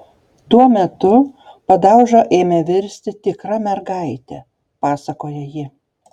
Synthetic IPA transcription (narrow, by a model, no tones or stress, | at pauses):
t̪uɔmʲɛt̪ʊpɐd̪ɑˑʊʒoːʔeːmʲeʋʲɪɾʲsʲt̪ʲɪt̪ʲɪkɾɐmʲɛɾɡɑɪt̪ʲɛ | pɑːsɐkoːjɛjɪ